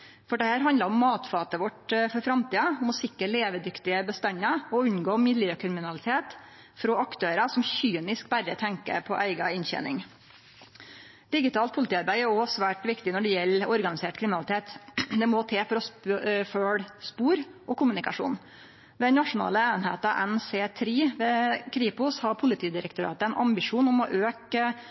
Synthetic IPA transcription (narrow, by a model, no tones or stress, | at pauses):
fɔɖɛhæːɾɦɑnd̪ləɾɔmːɑːt̪fɑːt̪əʋɔʈfɔɾfɾɑmt̪ʰiːɑʊmɔsɪkːəɭeːʋəd̪ʏkt̪ɪəbəst̪ɛɲːɑɔʉɲɡoːmɪd̪ljəkʰɾɪmɪnɑlɪt̪ʰeːt̪ | fɾɔːɑkt̪ʰøːɾɑsɔmçyːnɪskbæɾːət̪ʰɛŋkə̰pʰɔʔæɪɡɑɪnçɛ̰nɪ̰ŋ | d̪̥ɪɡɪt̪ʰɑːlt̪pʰʊlɪt̪iːɑɾbæɪæɾɔsʋæːʈʋɪkt̪ɪnɔɖɛjɛlːɔɾɡɑnɪseːʈkʰɾɪmnɑlɪt̪ʰeːt̪d̪ɛmɔt̪ʰeːfɔɾɔsføːɽspuːɾʔɔkʰʊmʉnɪkɑʂṵːn | ʋɛd̪ɛnnɑʂʊnɑ̰ːləeːnhḛːt̪ɑʔɛnseːt̪ʰɾiːʋɛkʰɾiːpʊshɑpʰʊlɪt̪ʰiːd̪ɪɾəkt̪ʊɾɑ̰ːt̪əɛnʔɑmbɪʂuːnɔmɔʔøːk